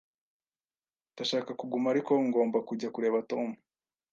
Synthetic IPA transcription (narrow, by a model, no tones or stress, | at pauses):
daʃaːkakuɡumaːɾiko̞ŋɡo̞ːmbakuɟakuɾe̞ːβato̞ːmu